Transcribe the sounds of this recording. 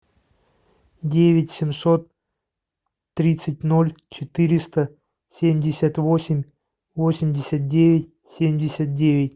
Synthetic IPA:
dʲevʲɪtʲsʲɪmso̞t̪ | ɾʲit̪sɨt̚ʲno̞lʲt͡ɕɪt̪ɨɾʲɪst̪ə | sʲemʲdʲɪsʲat̪vosʲɪmʲ | vosʲɪmʲdʲɪsʲət̪̚dʲevʲɪtʲ | sʲemʲdʲɪsʲat̪̚dʲevʲɪt̚ʲ

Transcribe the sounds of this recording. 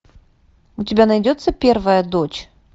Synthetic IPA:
ʊtʲɪbʲanɐjdʲot̪səpʲervəjəd̪ot͡ɕ

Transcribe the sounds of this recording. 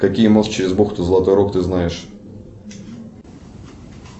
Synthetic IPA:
kɐkʲijmost͡ɕɪɾʲɪzboxt̪ʊzəlˠɐt̪o̞jɾokt̪ɨznajɪʂ

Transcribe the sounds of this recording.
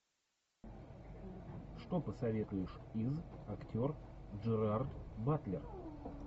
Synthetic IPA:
ʂt̪o̞pəsɐvʲe̞t̪ʊjɪʂizɐktʲo̞rʐɨɾart̪bat̪lʲɪr

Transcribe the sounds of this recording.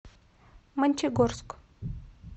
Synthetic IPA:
mɨnʲt͡ʃʰeɡorsk

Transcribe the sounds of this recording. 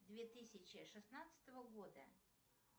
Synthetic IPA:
d̪vʲet̪ɨsʲɪt͡ɕɪʂɨsnat̪sə̥t̪əvəɡod̪ə̰

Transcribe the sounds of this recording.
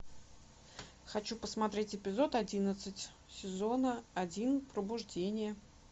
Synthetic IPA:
xɐt͡ɕupəsmɐt̪ɾʲetʲɪpʲɪzo̞t̪ɐdʲinət̪sɨtʲ | sʲɪzo̞nəɐdʲinpɾəbʊʐdʲenʲɪjə

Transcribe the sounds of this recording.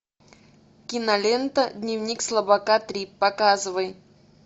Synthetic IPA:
kʲinɐlʲent̪əd̪ʲnʲivnʲikslˠəbɐkat̪ɾʲipːɐkazɨvəj

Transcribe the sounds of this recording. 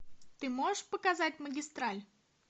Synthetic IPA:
t̪ɨmo̞ʐɨʂpəkɐzat̚ʲməɡʲɪst̪ɾalʲ

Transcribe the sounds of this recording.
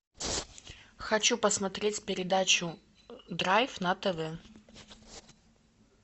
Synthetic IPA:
xɐt͡ɕupəsmɐt̪ɾʲetʲpʲɪɾʲɪd̪at͡ɕʊ | d̪ɾajfnɐt̪ɛvɛ

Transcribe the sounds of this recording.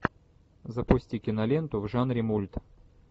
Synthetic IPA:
zɐpʊsʲtʲikʲɪnɐlʲent̪ʊvʐanɾʲɪmulʲt̪

